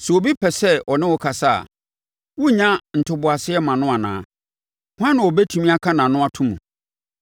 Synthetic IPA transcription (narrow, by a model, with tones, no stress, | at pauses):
sɛ˨o˨bi˦pʰɛ˨sɛ˦ɔ˨nɪ̃˦wɔ˨kʰa˨sa˦˨a̰˨ | wʊ˦ɲã˦n̩˨tʰʊ˨bʊ˨a˨sɪ˦ɛ˦mã˨nʊ̃˦a˨nã̰ː˨˦ | hã˦nʊ̃˨wɔ˨bɛ˦tʰũ˨mĩ˦a˦kʰa˦nã˨nʊ̃˦a˦˨tʰũ˦mũ˨